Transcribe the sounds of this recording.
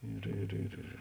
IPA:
ˈɪr ɪr ɪr ɪr

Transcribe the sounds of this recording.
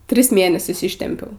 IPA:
ˈtʲrʲɪs ˈmʲeːnʲɛsʲʊs ˈɪʃʲtʲɛmʲpʲɛʊ

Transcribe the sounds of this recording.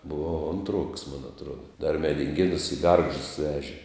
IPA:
bʊˈʋɐʊ ˈoːntˌruɔks moːn ɐtˈruɔdɐ dɐr mʲɛdʲɪŋʲˈɡʲeːnʊs ɪ ˈɡɐrɡʒdʊs ˈʋʲæːʒʲɪ

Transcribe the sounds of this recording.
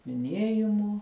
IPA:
mʲɪˈnʲiɛjɪmuː

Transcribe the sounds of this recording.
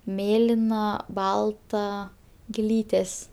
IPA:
ˈmʲeːlʲɪnɐ ˈbɐlˠtɐ ɡʲɪˈlʲiːtʲeːs

